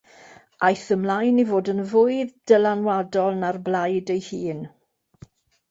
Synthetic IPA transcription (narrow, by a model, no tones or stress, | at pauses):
ajθəmlajnivoːdənvʊɨðd̥əlanwadɔlˠnarblajdejhiːn